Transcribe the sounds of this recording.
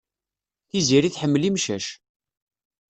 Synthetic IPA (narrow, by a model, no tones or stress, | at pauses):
θiziɾiθħəmːlimʃæʃ